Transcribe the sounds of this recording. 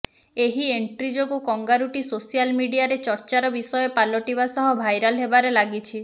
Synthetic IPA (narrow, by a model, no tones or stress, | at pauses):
eɦieɳʈɾid͡ʒokukɔŋɡaɾuʈisosijalmiɽiaɾet͡ʃɔɾt͡ʃaɾɔbisɔjɔpalɔʈibasɔɦɔbʱajɾɔlɦebaɾelaɡit͡ʃʰi